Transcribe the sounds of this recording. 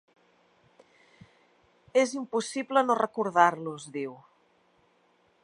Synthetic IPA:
ezimpusiβlənorəkuɾðaɾluzðiw

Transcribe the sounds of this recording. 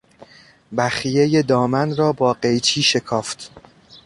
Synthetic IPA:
bæxijejed̪ɒːmænɾɒːbɒːɢe̞jt͡ʃʰiːʃe̞kʰɒːft̪ʰ

